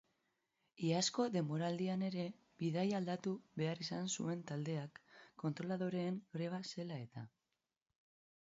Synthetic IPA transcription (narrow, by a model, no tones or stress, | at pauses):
iasko̞ðe̞mo̞ɾald̪iane̞ɾe̞ | βiðajald̪at̪uβe̞arisansṵe̞nt̪ald̪e̞akːo̞nt̪ɾo̞laðo̞ɾe̞ːŋɡɾe̞β̞ase̞lae̞t̪a